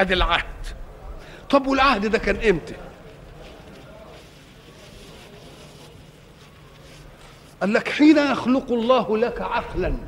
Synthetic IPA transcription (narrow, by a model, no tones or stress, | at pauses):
aːðælʕahd̪̥ | t̪ˤɑbwɪlʕahd̪d̪æːkæːnʔɪmt̪ɪ̥ | ʔælːækħiːnajɑxlʊqɑlˤːɑːhlækʕaqlan